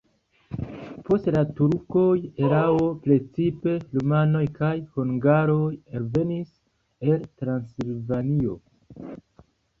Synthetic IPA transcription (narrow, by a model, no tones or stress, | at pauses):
po̞stlatuɾko̞je̞ɾao̞pɾe̞t͡sipe̞lumano̞jkajhuŋɡaɾo̞jalve̞nis | e̞ltɾansilvanio̞